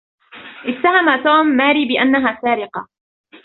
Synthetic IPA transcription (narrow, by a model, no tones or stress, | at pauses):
ʔɪt̪ːaɦamat̪uːmːaːɾiːbɪʔanːaɦaːsaːɾɪqɑ